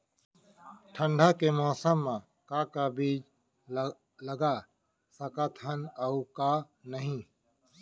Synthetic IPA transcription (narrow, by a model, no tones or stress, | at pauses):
ʈʰəɳɖʱaːkemɔːsəmːã | kaːkabiːd͡ʒ | ləɡaː | səkat̪ʰɦənəukaː | nəɦĩː